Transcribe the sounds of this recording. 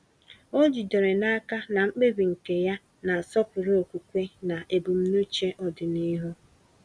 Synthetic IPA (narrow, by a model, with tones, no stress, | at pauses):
o˦d͡ʒi˨de˨ɾe˨na˦ka˦na˨ŋ͡m̩˦k͡pe˦bi˨ŋ̩˨ke˨ja˦ | na˨sɔ˦pʊ˨ɾo˨kʷu˨kʷe˦na˨ʔe˨bu˨m̩˦nu˦t͡ʃe˦ʔɔ˨dɪ˨ni˦ɦu˦